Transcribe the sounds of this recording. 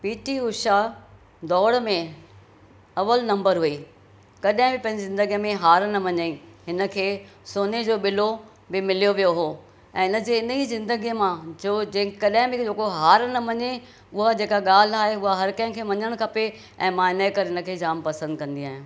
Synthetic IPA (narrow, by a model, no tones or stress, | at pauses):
piːʈiʊʃa | d̪ɔːɽmẽ | ɐʋəlnɐ̃mbəɾɦui | kɐɗɦɪ̃bɪpɐ̃ɦɪ̃ɲd͡ʑizɪ̃nd̪əɡijə̃mẽɦaːɾnɐmɐɲəĩɦɪnə̆kʰeː | soːned͡ʑoːɓɪlo | bɪmɪlijoʋijoɦoː | ɛ̃ːɪnə̆d͡ʑeːɪnəizɪ̃nd̪əɡijmãd͡ʑoːd͡ʑẽːkɐɗɦɪ̃bɪ̃d͡ʑoːkoɦaːɾnɐmɐɲe | ʊɦad͡ʑeːkaɠaːl̤aːɦeʊɦaɦɐɾkɐ̃ɦɪ̃kʰeːʋɐɲəɽ̃kʰɐpe | ɛ̰̃ːmãːɪnaikɐɾɪñə̆kʰeːd͡ʑaːmpɐsə̃nd̪̚kɐ̃nd̪iaːɦɪũː